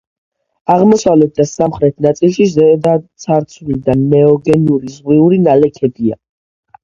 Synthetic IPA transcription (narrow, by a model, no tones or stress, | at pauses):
aʁmɔsavlɛt̪̚d̪asamχɾɛt̪ʰnat̪sʼilˠʃizɛd̪at̪sʰaɾt̪sʰlid̪anɛɔɡɛnuɾizʁwiuɾinalɛkʰɛbia̰